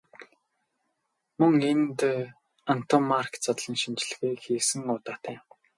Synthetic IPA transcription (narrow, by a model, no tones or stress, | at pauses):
mɵŋent̪ | an̥t̪ʰɔmːarkt͡sɔt̪ɮɞ̆nʃint͡ɕ̆ɮ̆ɣujxiːksɘ̆ŋʊːt̪aːt̪ʰæː